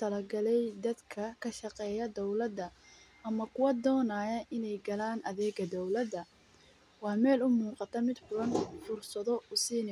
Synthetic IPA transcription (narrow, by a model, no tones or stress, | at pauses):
t̪ʰɐlɐɡɐlɛjd̪ɐd̪kʰɐkʰɐʃɑqɛːjɐd̪ɔwlɐd̪ːɐ | ʔɐmɐkʰʊwɐd̪ɔːnaːjɐʔɪnɛjɡɐlaːnʔɐðɛːɡɐd̪ɔwlɐd̪ɐ | wɑːmɛːlʊmuːqɑt̪ʰɐmɪd̪fʊɽɐnfʊrsɐðɔʊsiːnɪ